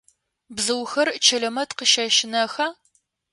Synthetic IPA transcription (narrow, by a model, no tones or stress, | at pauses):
bzɨwxɐrt͡ʃʰɐɮɐmɐtqəʃɐʃɪnɐxɐ